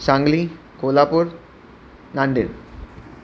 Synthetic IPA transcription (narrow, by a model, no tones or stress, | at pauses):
sãŋɡli | kolapuːɾ | naɳɖḭn